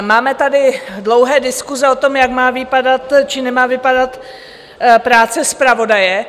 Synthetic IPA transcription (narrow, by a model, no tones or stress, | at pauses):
maːmɛt̪adɪdlowɦɛːdɪskuzɛo̞t̪o̞mjakmaːvɪpadat̪t͡ʃɪnɛmaːvɪpadat̪ | pɾaːt͡sɛspɾavo̞dajɛ